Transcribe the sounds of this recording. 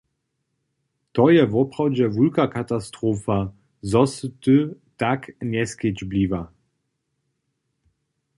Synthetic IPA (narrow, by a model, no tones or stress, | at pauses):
t̪ɔjɛvɔpʁɔwd͡ʑɛvulkakat̪ast̪ʁofa | zɔst̪ɨtaknɛsked͡ʑblʲiva